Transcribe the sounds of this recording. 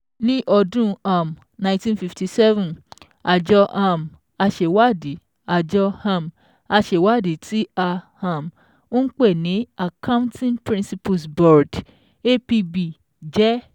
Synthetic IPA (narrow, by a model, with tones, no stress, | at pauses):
nĩ˦ʔɔ˧dũ˦a˨m | nã˧˨˦tĩ˧nfi˧fti˧sɛ˦vũ˨ | a˨d͡ʒɔ˧ʔa˨m | a˧ʃe˨wa˦di˨˦ | a˨d͡ʒɔ˧hã˧˨m | a˧ʃe˨wa˦˨di˨˦ti˦a˧hã˨m | õ˦n̩˦k͡pe˦˨nĩ˨˦a˨kã˦ũ˦tĩ˦npɾĩ˦nsi˧pu˧sbɔ˨ɾd | e˦pi˧bi˨ | d͡ʒɛ˦